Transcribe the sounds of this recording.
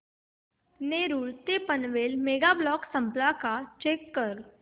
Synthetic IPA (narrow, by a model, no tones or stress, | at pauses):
neːɾuɭt̪epənʋeːlmeːɡablɔːksə̃mplakat͡ʃeːkːəɾ